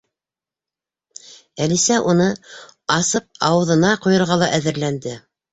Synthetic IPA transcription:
ælisæʔunɤɑsɤp̚ɑwɤ̆ðɤ̆nɑqujɤ̆ɾʁɑlˠɑʔæðɘ̆ɾlænd̪ɘ

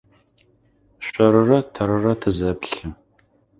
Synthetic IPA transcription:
ɕʷʼɐɾɨrɐtʰɐɾɨrɐtʰɨzɐpɬɨ

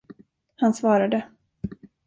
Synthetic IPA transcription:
hansvɑːɾad̪ə

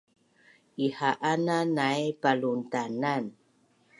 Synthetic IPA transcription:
ihaʔananajpaluntanan

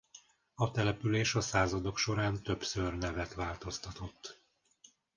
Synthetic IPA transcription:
ɒt̪ɛlɛpyleːʃɒsaːzɒd̪o̞kʃo̞ɾaːnt̪ø̞bsørnɛvɛt̪ʋaːlt̪o̞st̪ɒt̪o̞t̪ː

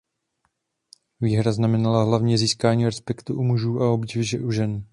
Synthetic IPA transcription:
viːɦɾaznamɛnalaɦlavɲɛziːskaːɲiːɾɛspɛkt̪uʔumuʒuːʔao̞bɟɪvɪʒɛʔuʒɛn

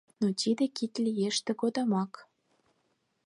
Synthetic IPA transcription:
not̪ʲid̪ĕkit̪ʲlʲijeʃt̪ĕkod̪ɑmɑk

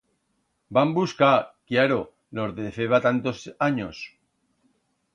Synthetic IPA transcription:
bambuskakjaɾo | lozðefeβat̪ant̪osaɲos

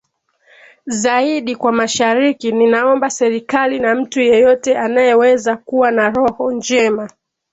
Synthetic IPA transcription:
zaiɗikwamaʃaɾikininaɔmbasɛɾikalinam̩tujɔjɔtɛʔanajɛwɛzakuwanaɾɔhɔnd͡ʒɛma

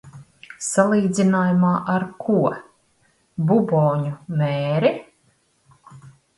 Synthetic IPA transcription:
salˠiːd̪zinaːjumaːʔaɾkʰuɔ | bubɔːɲumeːɾi

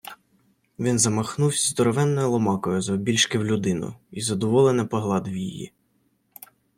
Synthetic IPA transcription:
ʋʲinzɐmɐxnuwsʲzd̪ɔɾɔʋɛnːɔjʊlˠɔmɑkɔjʊzɐɔbʲilʲʃkɪwlʲʊd̪ɪnʊ̰izɐd̪ɔʋɔlˠenɪpɔɦlˠɑd̪wjijḭ

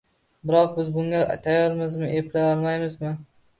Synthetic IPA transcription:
bɪɾɒqbɪzbʊŋɡʲa̰t̪ʰajɒɾmɪzmɪʔeplajɒɾmajmɪzmɪ

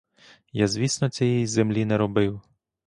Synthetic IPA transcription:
jazʲʋʲisnɔt͡sʲɛjɛjzemlʲinɛɾɔbɪw

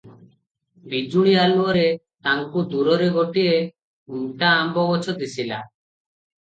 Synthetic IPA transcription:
bid͡ʒuɽialuɔɾe | t̪aŋkud̪uɾɔɾɛɡɔʈie | uŋʈaːmbɔbɔt͡ʃʰɔd̪isila̰

